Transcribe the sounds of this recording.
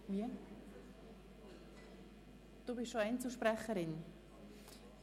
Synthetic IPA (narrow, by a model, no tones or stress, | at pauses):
viə | d̥uːbɪʃʃoɛɪnt͡suʃpɾɛχəɾɪn